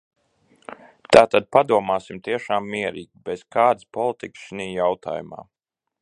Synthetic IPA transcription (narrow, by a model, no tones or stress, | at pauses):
t̪aːt̪ad̪̚pad̪uɔmaːsimt̪iɛʃaːmːiɛɾiːɡʲibɛz̥kaːd̪ɨspɔlˠit̪iksʃiniːjawt̪ʰa̰ːjuma̰ː